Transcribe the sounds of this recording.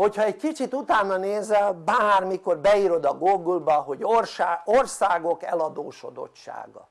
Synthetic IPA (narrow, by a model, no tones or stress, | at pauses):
ho̞chɒɛɟ̚kit͡ʃit̪ut̪aːnːɒneːzɛlbaːrmiko̞rbɛiːɾo̞d̪ɒɡoːɡulbɒɦo̞ɟorʃaːorsaːɡo̞kɛ̰lɒd̪o̰ːʃo̰d̪o̞̰t͡ʃːʃa̰ːɡɒ̰